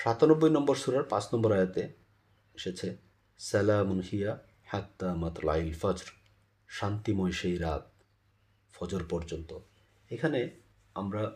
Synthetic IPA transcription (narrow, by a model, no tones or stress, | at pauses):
ʃat̪anɔbːojnɔmboɾʃuɾaɾpãt͡ɕʰnɔmboɾajat̪e | eʃet͡ɕʰe | sɛlamunhija | ħat̪ːamat̪ɾla̰jlfad͡ʑɾ | ʃant̪imɔjʃejɾat̪̚ | fɔd͡ʑoɾpɔɾd͡ʑont̪o | ekʰane | amɾa